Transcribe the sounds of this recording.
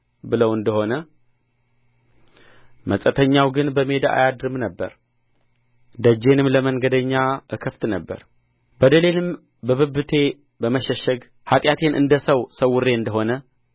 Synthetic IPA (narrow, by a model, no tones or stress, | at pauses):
bɨləwɨnd̪əho̞nə | məsʼət̪ʰəɲːawɡɨnbəme̞d̪aa̰jad̪ɾɨmnəbːə̰ɾ | d̪əd͡ʒe̞nɨmləməŋɡəd̪əɲːaʔɨkʰəft̪nəbːə̰ɾ | bəd̪əle̞lɨm | bəβɨbːɨt̪ʰe̞ | bəməʃəʃːəɡ | hat̪ʼjat̪ʰe̞nʔɨ̰nd̪əsəwsəwːʊrːe̞ɨnd̪əɦo̞nə